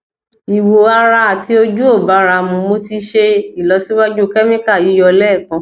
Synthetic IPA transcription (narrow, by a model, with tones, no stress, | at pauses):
i˨wo˨a˧ɾa˧a˨ti˧˦o˧d͡ʒu˦o˦˨ba˨˦ɾa˧mũ˧mo˧ti˧ʃe˧i˨lɔ˨˧˦si˦wa˦d͡ʒu˦kɛ˦mĩ˦ka˦˨i˨˦jɔ˧lɛ˦˨kã˧˦